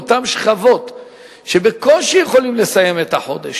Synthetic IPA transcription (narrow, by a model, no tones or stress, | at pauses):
ot̪amʃχavo̞t̪ | ʃebeko̞lʃejeχo̞limle̞saje̞met̪aħo̞̰d̪eʃ